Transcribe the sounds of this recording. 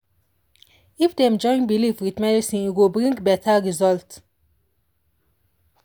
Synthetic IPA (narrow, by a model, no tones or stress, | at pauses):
ifd̪ɛ̃md͡ʒɔ̃ɪ̃nbilifwitmɛdisĩiɡobɾĩŋɡbɛtʰaɹizɔlt